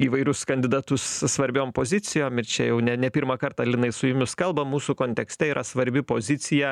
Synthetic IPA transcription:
iːʋɐɪɾʲʊskɐnʲd̪ʲɪd̪ɑt̪ʊssʋɐɾʲbʲoːmpoːzʲɪt̪sʲɪjoːmɪɾt͡ʃʲɛjɛʊnʲɛnʲɛpʲiɾmɐkɐɾt̪ɐlʲɪnɐɪsʊjʊmʲʊskɐlˠbɐmːuːsukoːnʲt̪ʲɛksʲt̪ʲɛiːɾʔɐsʋɐɾʲbʲɪpoːzʲɪt̪sʲɪjɛ

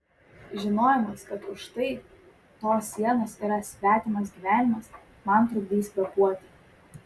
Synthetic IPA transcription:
ʒʲɪnoːjɛmɐskɐt̪ʊʃt̪ɐɪ | t̪oːsːʲiɛnoːsiːɾɐsʲʋʲæːt̪ʲɪmɐs̬ɡʲiːʋʲæːnʲɪmɐs | mɐˑnt̪ɾʊɡ̚ʲd̪ʲiːsʲbʲɛpuɔt̪ʲɪ̥

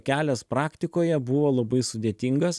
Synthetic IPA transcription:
kʲæːlʲɛspɾɑːkt̪ʲɪkoːjɛbʊʋoːlˠɐbɐɪsʊd̪ʲeːt̪ʲiŋɡɐs

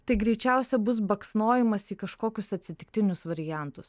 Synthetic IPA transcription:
t̪ɐɪɡɾʲɛɪt͡ʃʲæˑʊsʲɛbʊs̬bɐksnoːjɛmɐsiːkɐʃkoːkʲʊsɐt̪ʲsʲɪt̪ʲɪk̚t̪ʲɪnʲʊsʋɐɾʲɪjæˑnt̪ʊs

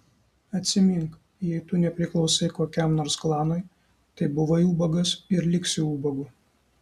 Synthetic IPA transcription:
ɐt̪ʲsʲɪmʲɪŋk | jɛɪt̪ʊnʲɛpʲɾʲɪklˠɒʊsɐɪkoːkʲɛˑmnoːɾsklˠɑːnoj | t̪ɐɪbʊʋɐjuːbɐɡɐsɪɾlʲɪksʲɪuːbɐɡʊ

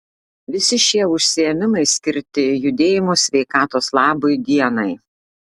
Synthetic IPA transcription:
ʋʲɪsʲɪʃʲiɛʊʃʲsʲɪɛmʲɪmɐɪsʲkʲɪɾʲt̪ʲɪjʊd̪ʲeːjɪmoːsʲʋʲɛɪkɑːt̪oːslˠɑːboɪd̪ʲiɛnɐɪ

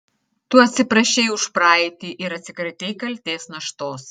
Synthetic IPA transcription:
t̪ʊɐt̪ʲsʲɪpɾɐʃʲɛɪʊʃpɾɑːɛt̪ʲiːʔɪɾɐt̪ʲsʲɪkɾɐt̪ʲɛɪkɐlʲt̪ʲeːsnɐʃt̪oːs

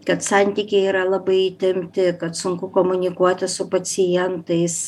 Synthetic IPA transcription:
kɐt̪sɑnʲt̪ʲiːkʲɛɪiːɾɐlˠɐbɐɪit̪ʲɪmʲt̪ʲɪkɐt̪sʊŋkʊkoːmʊnʲɪkuɔt̪ʲɪsʊpɐsʲɪjɛnt̪ɐɪs

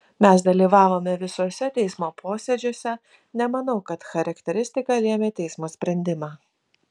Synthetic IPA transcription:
mʲɛsd̪ɐlʲiːʋɑːʋoːmʲɛʋʲɪsoːsʲɛt̪ʲɛɪsmoːpʰoːsʲeːd͡ʒʲoːsʲɛ | nʲɛmɐnɐʊkɐt̪xɐɾɐkt̪ʲɛɾʲɪsʲt̪ʲɪkɐːlʲeːmʲeːt̪ʲɛɪsmoːsʲpʲɾʲɛnʲd̪ʲɪmɑː

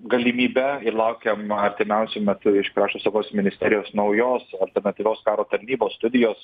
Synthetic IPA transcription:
ɡɐlʲɪmʲiːbʲɛɪlˠɐʊkʲeːmɐɾʲt̪ʲɪmʲɛˑʊsʲʊmʲɛt̪ʊɪʃkɾɑːʃt̪oːsɐʋoːsmʲɪnʲɪsʲt̪ʲɛːɾʲɪjoːsnɒʊjoːsɐlʲt̪ʲɛɾnɐt̪ʲiːʋʲoːskɑːɾoːt̪ɐɾʲnʲiːboːsst̪ʊd̪ʲɪjoːs

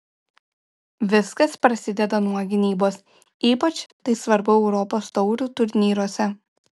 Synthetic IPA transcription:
ʋʲɪskɐspɾɐsʲɪd̪ʲɛd̪ɐnuɔɡʲɪnʲiːboːs | iːpɐt͡ʃt̪ɐɪsʋɐɾbʊɛʊɾɔpoːst̪ɔʊɾʲuːt̪ʊɾʲnʲiːɾuɔsʲɛ

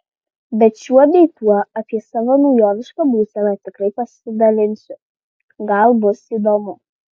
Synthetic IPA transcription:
bʲɛt̪ʃʲuɔd̪ʲɛɪt̪uɔɐpʲiɛsɑːʋɐnɔʊjoːʋʲɪʃkɐbuːsʲɛlɐt̪ʲɪkɾɐɪpɐsʲɪd̪ɐlʲɪnʲsʲʊ | ɡɐlˠbʊsiːd̪oːmʊ

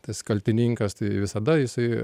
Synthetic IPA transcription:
t̪ɐskɐlʲt̪ʲɪnʲiŋkɐst̪ɐɪʋʲɪsɐd̪ɐjɪsɐɪ

